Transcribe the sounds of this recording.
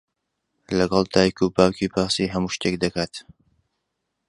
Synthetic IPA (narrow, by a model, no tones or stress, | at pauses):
lɐɡɑlˠd̪aːjkʰupʰaːwcipʰaɾsiːɦɐmuːʃt̪ek̚d̪ɐkaːt̪